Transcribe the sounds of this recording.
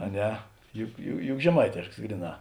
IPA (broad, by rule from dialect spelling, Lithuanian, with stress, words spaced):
ɐ ˈnʲɛ jʊ jʊ jʊk ʒʲɛˈmɐɪtʲeːʃks ˈɡrʲiːˌnɑː